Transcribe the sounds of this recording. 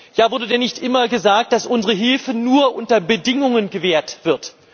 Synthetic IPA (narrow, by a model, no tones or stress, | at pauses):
jaːvʊɐdədɛnɪçtʔɪmɐɡəzaːk̚t̚d̥asʔʊnzəʁəɦɪlfənuːɐʔʊntɐbədɪŋʊŋənɡəveːɐtv̥ɪɐt